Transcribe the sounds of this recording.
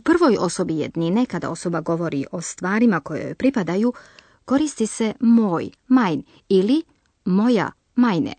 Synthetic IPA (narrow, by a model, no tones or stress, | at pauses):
upr̩ʋo̞jo̞so̞bijḛd̪ninekad̪a̰o̞so̞baɡo̞ʋo̞ɾiʔo̞st̪ʋaːɾimako̞jo̰jpɾipad̪aju | ko̞ɾist̪ise̞mo̞ːj | majn | ili | mo̞ja̰ | majnḛ